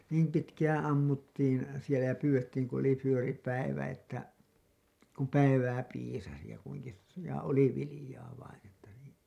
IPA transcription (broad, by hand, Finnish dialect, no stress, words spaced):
niːm pitkæːæ̃ ɑmːutːiːn̞ sielæ jɑ pyːw̥etːiːŋ kun oli fyøri pæiʋæ etːæ kum pæiʋæː piːsɑsi jɑ kuiŋki jɑ oli ʋilĭjɑː ʋɑin etːæ niːn̞